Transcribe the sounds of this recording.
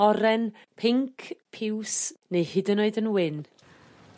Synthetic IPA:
ɔɾɛn | pʰɪŋkʰpʰɪwsnejhɨdənoɨdənwɪn

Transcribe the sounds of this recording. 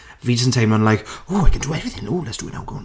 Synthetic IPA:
visə̃ntʰeɪmãnlajkoːaɪkʰə̃nduɛvɹɪθɪ̃ŋnɔːlˠɛtsd̥uwəna̰wɡow̃n

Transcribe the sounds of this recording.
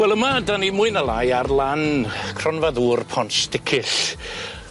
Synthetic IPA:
wɛlˠəmadanimʊɨnalˠajarlˠankʰrɔnvaðuːrpʰɔnsd̥ɪkʰɪɬ

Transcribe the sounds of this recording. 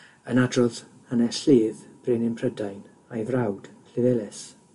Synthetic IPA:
ənadrɔðhanɛsɬiːðb̥rɪnɪmpʰrədajn | ajvrawd̥l̥ɪvɛlɛs

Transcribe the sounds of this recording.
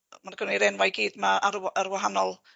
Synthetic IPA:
marɡ̥ɔniɾɛnwajɡiːdmaaəɾwaɦanɔlˠ

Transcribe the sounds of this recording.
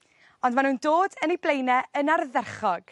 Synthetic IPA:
ɔndmanuːndoːdəniblˠejnɛənarðɛrχɔɡ̥

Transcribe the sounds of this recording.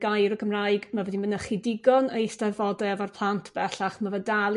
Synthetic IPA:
ɡ̥ajɾɔkʰəmrajɡmavɛdimənəχɪdɪɡɔnəjstɛrvɔdɛvarpʰlˠantʰb̥ɛɬaχmavədalˠ

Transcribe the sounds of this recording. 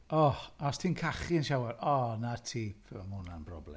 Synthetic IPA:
ɔɔstʰiːnkʰaχiənʃawarɔnatʰiːpʰmunanbrɔ̰blɛ̰

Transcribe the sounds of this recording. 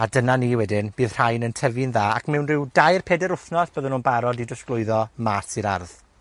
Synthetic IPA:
adənaniːwɛdɪnb̥ɨːð̥r̥ajnəntʰəvɨnðaːa̰kʰmɛwnrɪwdajrpʰeːdɛɾʊfnɔsb̥əðənuːnbaɾɔdidəsklˠʊɨðɔmasiɾarð

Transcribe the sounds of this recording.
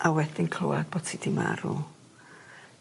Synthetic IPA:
ʔawɛdɪnkʰlo̰wad̚boːd̥tʰidima̰ɾṵ

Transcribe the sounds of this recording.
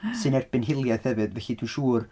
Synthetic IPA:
sɨnɛrb̥ɪnɦɪlˠjɛθhɛvɨðvɛɬidʰuʃuːr

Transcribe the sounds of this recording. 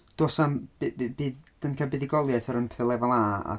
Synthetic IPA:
d̥osamb̥bbiːðd̥ənkʰabɪðiɡɔlˠjaθəɾənpʰɛθɛlˠɛvanaːa̰

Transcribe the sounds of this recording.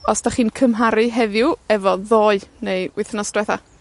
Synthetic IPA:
ɔsd̥aχiːnkʰəmɦaɾɨɦɛðjʊɛvɔðoːɨnewɪθənɔsd̥wɛθa̰

